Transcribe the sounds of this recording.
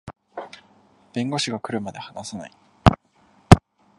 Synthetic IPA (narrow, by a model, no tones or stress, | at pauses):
b̥ẽ̞ŋɡo̞ɕiɡakɯ̟ɾɯ̟mad̪e̞hanasana̰i